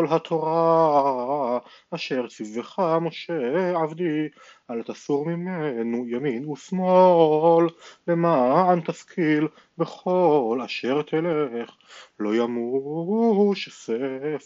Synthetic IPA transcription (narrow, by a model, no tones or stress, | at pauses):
olɦat̪ʰo̞ʁa | ʃe̞ʁt͡siveχamoʃeʕavd̪i | alat̪asuʁmimenujaminusmolːemaant̪askʰil | beχo̞laʃeʁt̪ʰeleχ | lo̞jamu | ʃesef